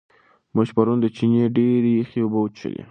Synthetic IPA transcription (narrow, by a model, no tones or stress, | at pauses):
muʃpaɾund̪ət͡ʃinjeɖeɾexeubəwt͡ʃə̰d̪ḭ